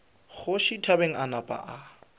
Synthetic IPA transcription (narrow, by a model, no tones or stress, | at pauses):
χʊʃitʰabeŋ̩ʔanapʼa̰ʔa